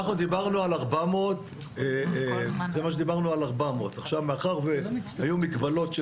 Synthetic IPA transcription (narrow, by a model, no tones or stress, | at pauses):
aχnud̪ibaʁnualaʁbamot | e | zemaʃ̬ed̪ibaʁnualaʁbamo̞ːt̪aχʃavmeaχaʁveajumikbalo̞tʃ